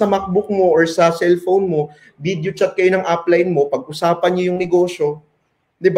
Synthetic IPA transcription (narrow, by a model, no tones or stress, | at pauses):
ɐmɐk̚bʊk̚moʔoɹsɐsɛlfownmo̞ | bid̪jot͡ʃɐt̪̚kɐjo̞nɐŋʔaplɐjnmo̞pɐɡʔʊsaːpɐnɲojʊŋnɛɡo̞ːʃo̞ | d̪ɪb